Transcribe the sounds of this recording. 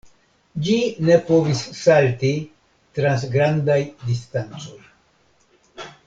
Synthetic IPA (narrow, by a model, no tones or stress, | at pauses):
d͡ʒine̞po̞visːalti | tɾans̬ɡɾandajdistant͡so̞j